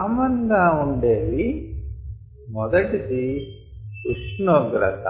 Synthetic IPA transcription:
mɐnd̪aːuɳɖeːɾi | mɔd̪ɐʈisi | kuʂnoːɡɾɐ̰t̪a̰

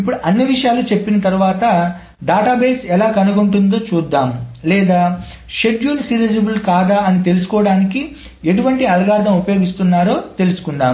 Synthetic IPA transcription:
ipːuɽuʔɐnːiʋiʂɐjaːlut͡ʃe̞pːinɐt̪ɐɾuʋaːt̪ɐ | ɖaːʈaːbeːsɛlaːkɐnuɡuɳʈund̪o̞ːt͡ʃuːd̪ːaːmlɛːd̪aː | ʃe̞ɖjuːlsiːɾid͡ʒebulkaːd̪aːɐnit̪e̞lusu̥kɔːɐɽaːniki | e̞ʈuʋɐɳʈiɐlɐɡaːɾd̪ɐmupɐjo̞ːɡist̪unːaːɾo̞ːt̪e̞lusu̥kuɳɖaːm

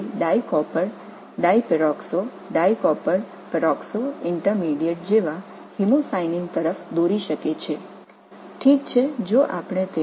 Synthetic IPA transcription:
ɖaikɔpəɾ | ɖaipɛɾɔkso | ɖaikɔpəɾ | pɾɔksoɪɳʈəɾmiɖijəʈ̚d͡ʒeʋa | himosainiŋt̪əɾəfd̪oɾiʃəket͡ʃʰe | ʈʰik̚t͡ʃʰed͡ʒoʔapɳ̃et̪e

